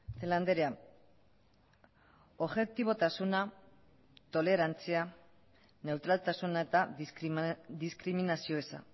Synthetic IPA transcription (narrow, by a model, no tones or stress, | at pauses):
θeland̪eɾea | oβʝe̞k̚t̪iβo̞t̪asuna | t̪o̞le̞ɾant͡sia | ne̞wt̪ɾalt̪asunaet̪a | d̪iskɾiminasio̞esa̰